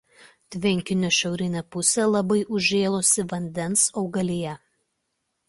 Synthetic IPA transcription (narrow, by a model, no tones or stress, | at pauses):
t̪ʲʋʲɪŋʲkʲɪnʲoːʃʲɛʊɾʲɪnʲɛpʊsʲɛlˠɐbɐɪʔʊʒʲeːlˠoːsʲɪʋɐnʲd̪ʲɛnsɒʊɡɐlʲijɛ